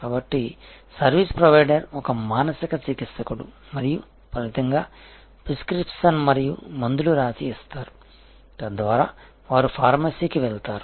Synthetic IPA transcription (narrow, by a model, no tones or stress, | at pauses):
kaːbɐʈːisɐɾʋispɾɐʋɐjɖɐɾɔkɐmaːnɐsikɐt͡ʃikit̪sɐkuɽṵ | mɐɾiju | pɐʋit̪ɐŋɡaː | pɾiskɾipʂɐnmɐɾijumɐnd̪uluɾaːsiːst̪aːɾu | t̪ɐd̪ʋaːɾaː | ʋaːɾupʰaːɾmɐsiːkiʋɛɭt̪aːɾu